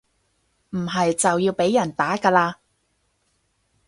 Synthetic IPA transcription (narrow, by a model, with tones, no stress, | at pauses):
m̩˨˩ɦɐ˨jt͡sɐ˨wjiː˧wpe˨˥jːɐ˨˩nt̪aː˨˥kaː˧laː˧